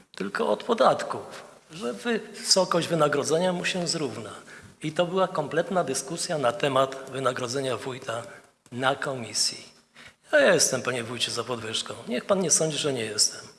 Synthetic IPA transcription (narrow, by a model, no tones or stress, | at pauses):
t̪ɘlkɔ̰ɔt̪pɔd̪at̪kuf | ʐɛvɘsɔkɔɕʑd͡ʑvɘnaɡɾɔd̪zɛɲamuɕɛzɾuvnait̪ɔbɘwakɔmplɛt̪nad̪ɘskusʲjanat̪ɛmat̪vɘnaɡɾɔd̪zɛɲavujt̪a | nakɔmʲisʲjḭ | jajɛɛst̪ɛmpaɲɛvujt͡ɕɛzapɔd̪vɘʂkɔ̃w̃ɲɛxpanɲɛsɔɲd͡ʑiʐɛɲɛjɛst̪ɛm